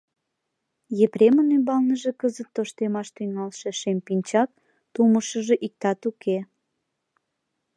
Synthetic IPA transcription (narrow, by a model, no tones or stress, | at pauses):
jepɾemənymbɑlnəʒekəzət̪ːoʃt̪emɑʃt̪yŋɑlʃeʃempinʲt͡ɕɑk̚ | t̪uməʃəʒeʔik̚t̪ɑt̪ukʰe